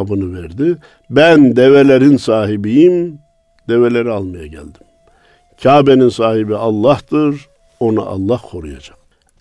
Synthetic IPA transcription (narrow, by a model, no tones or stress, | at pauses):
bɯnɯvɛɾd̪i | bænd̪ɛvelʲeɾinsaːɦibijim | d̪̥ɛvelʲeɾialˠmajaɟæ̰lʲd̪im | cʰaːbeninsaːhibiɑlˠːɑht̪ɯɾ | o̞na̰ʔɑ̰lˠːɑhkʰo̞ɾṵja̰d͡ʒaq̚